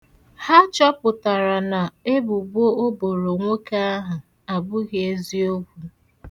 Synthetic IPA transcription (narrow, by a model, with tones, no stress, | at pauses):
ha˦t͡ʃɔ˦pʊ˨ta˨ɾa˨na˨e˦bu˨bo˦o˦bo˨ɾo˨ŋʷo˦ka˦a˦ɦʊ˨ | a˨bʊ˦ɣe˦e˦zi˦o˦kʷu˨